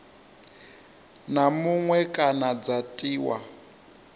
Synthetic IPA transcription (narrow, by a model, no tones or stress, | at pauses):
namuŋwɛkʼanad͡zatʼiːwa